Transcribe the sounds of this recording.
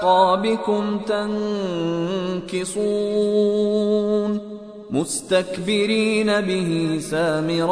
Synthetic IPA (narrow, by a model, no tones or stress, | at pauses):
ɑːbɪkʊmt̪aŋ | kɪsuː | n | mʊst̪akbɪɾiːnabɪhɪsaːmɪɾ